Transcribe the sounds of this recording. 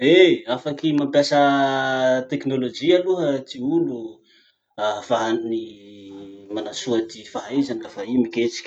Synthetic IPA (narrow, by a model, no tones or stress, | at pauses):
eafakimampjasə | t̪eknolod͡ʒialuɦət̪iulu | afaɦanni | manasuat̪ifaɦaizanilafaimiket͡si̥kʲ